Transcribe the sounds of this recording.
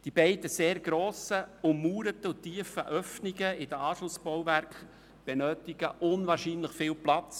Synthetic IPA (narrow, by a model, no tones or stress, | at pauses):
d̪̥ibɛɪd̪əseːɾɡɾoːsəʊmmuːɾət̪əʊt̪ːiːəfə̰ʔœfniɡəɪdəɑːʃlʊsb̥ɔwvæɾk | b̥enøːtɪɡ̥əʔʊnvɑːɾʃinləχfɪːlplɑt͡s